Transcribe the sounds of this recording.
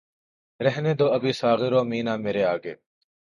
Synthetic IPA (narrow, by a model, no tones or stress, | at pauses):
ɾɛɦneːd̪oːəbiːsaːɣɪɾoːmiːnãːmeːɾeːaːɡḛː